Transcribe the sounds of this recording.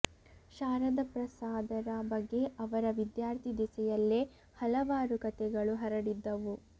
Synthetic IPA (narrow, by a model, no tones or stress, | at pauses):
ʃaːɾɐd̪ɐpɾɐsaːd̪ɐɾɐbɐɡːe̞ʔɐʋɐɾɐʋid̪jaːɾt̪ʰid̪isɛjɐlːe | hɐlɐʋaːɾukɐt̪ɛɡɐɭuɦɐɾɐɽid̪ːɐʋu